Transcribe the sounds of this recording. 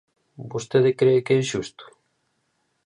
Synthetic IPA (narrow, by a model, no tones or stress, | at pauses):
bost̪eðɪkɾeɪkeɛsʃust̪ʊ̥